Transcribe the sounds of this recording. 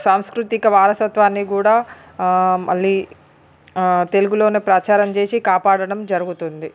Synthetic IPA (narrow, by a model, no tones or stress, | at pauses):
saːmskɾut̪ikɐʋaːɾɐsɐt̪ʋaːnːikuːɽaː | mɐ̰ɭːiː | t̪e̞luɡulo̞ːneːpɾɐt͡ʃaːɾɐmt͡ʃe̞ːsikaːpaːɽɐɽɐmd͡ʒɐɾuɡut̪und̪i